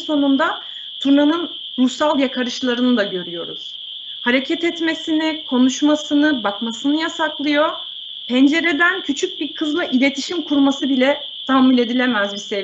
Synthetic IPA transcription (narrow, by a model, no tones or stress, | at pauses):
so̞nund̪a | t̪ʰuɾnanɯn | ɾusalˠjakʰaɾɯʃlˠaɾɯnɯd̪aɟø̞ɾyjo̞ɾṵz̥ | haɾe̞cʰɛt̪ɛt̪me̞sinikʰo̞nuʃmasɯnɯbakmasɯnɯjasaklˠɯjo̞ | pʰɛnd͡ʒe̞ɾe̞d̪æncʰyt͡ʃʰyc̚biɾkʰɯzlˠaʔilʲe̞t̪ʰiʃimkʰuɾmasɯbilʲɛ | t̪ʰamulʲe̞d̪ilʲe̞mæzbise